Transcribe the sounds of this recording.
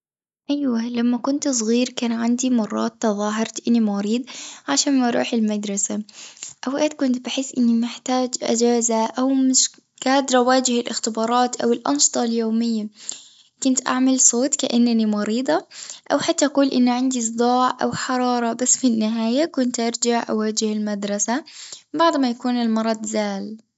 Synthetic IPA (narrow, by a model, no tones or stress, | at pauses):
ʔajwalamːakʊnt̪sˤɣiːɾkaːnʕand̪imɑrˤːɑ̰ːt̪ːɑðˤɑːɦɑɾˤt̪ʔɪnːimɑɾiːd̪ˤʕaʃaːnmɑɾˤṵːħɪlmad̪ɾˤɑsaʔawʔaːt̪̚kʊnt̪baħɪsːʔɪnːimɪħt̪aːd͡ʒʔa̰d͡ʒaːzaʔawmɪʃ | ɡ̥aːd̪ɾˤɑwaːd͡ʒɪhɪlʔɪxt̪ɪbɑːɾˤɑːt̪ʔa̰wɪlʔɑ̰nʃɨ̥t̪ˤɑljoːmɪjːa | kʊnt̪ʔa̰ʕmalsˤoːt̪ka̰ʔanːanimɑɾiːd̪ˤɑʔawħat̪ːaʔaquːlʔɪnːaʕɪnd̪is̬ˤd̪ˤɑːʕʔa̰wħɑɾˤɑːɾˤɑbasːfinːɪɦaːjakʊnt̪ʔɑɾˤd͡ʒaʕʔawaːd͡ʒɪhɪlmad̪ɾˤɑsabaʕd̪majakuːnɪlmɑɾˤɑd̪ˤzaːl